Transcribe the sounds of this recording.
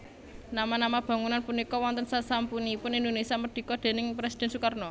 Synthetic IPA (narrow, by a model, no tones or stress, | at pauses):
namanamab̥a̤ŋunanpunikɔwɔnt̪ənsasampuniːpʊnind̪onesiaməɖ̪̥i̤kɔd̪̥e̤nɪŋpɾesid̪̥ɛ̤nsukarnɔ